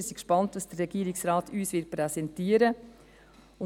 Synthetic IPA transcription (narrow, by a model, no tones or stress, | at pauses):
sikʃpɑntʋɑsd̥ərɛɡ̥iːɾɪksɾɑːtyːsʋɪɾtpɾɛsɛntiːəɾə | ʊ